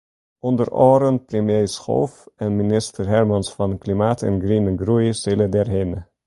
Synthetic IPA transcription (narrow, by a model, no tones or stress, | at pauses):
ɔndərɔːɾənprəmjejsχo̰ːfɛnminɪstərɦɛɹmɑnsfɑnklimaːtʰɛ̰nɡrinəɡrujsɪlədɛrɦenə